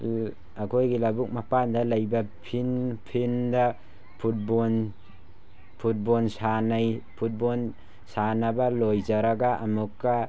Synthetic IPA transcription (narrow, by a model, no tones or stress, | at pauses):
akʰojɡilabuk̚mapandalɐjbɐpʰinpʰinda | pʰut̚bon | pʰut̚bɔlsanajpʰut̚bon | sanabalojzaɾaɡaʔamukːa